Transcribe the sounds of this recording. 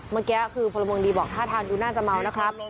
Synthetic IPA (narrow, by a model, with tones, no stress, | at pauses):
maː˧kɛː˦˥kʰɯː˧pʰɔ˧lːa˧mɯː˧ŋdiː˧bɔː˨˩k̚t̪ʰaː˥˩t̪ʰaː˧nduː˧naː˥˩t͡ɕa˨˩ma˧wna˦˥kʰɾa˦˥p̚